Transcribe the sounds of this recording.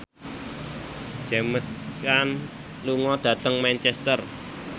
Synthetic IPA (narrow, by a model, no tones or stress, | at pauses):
d͡ʒ̥ɛməst͡ʃan | luŋɔd̪̥ä̤t̪əŋmɛnt͡ʃɛst̪ər